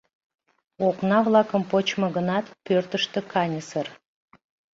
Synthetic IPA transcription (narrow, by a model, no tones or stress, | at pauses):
oknɑβlɑkəmpot͡ɕməɣənɑt̪pørt̪əʃt̪ə̆kʰɑnʲəsər